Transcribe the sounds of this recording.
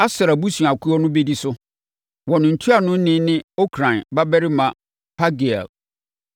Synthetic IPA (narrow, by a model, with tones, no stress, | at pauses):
a˦sɾa˨bu˦su˨a˨kʰu˦ɔ˦nʊ̃˦be˦di˦sʊ˦ | wɔ˨nɪ̃˨n̩˨tʰu˦a˨nʊ̃˦n̩˦nɪ̃˦nɪ̃˦o˦kʰɾã˨nba˦bɛ˦ɾɪ˦mã˨ | pʰa˦ɡi˨a̰˨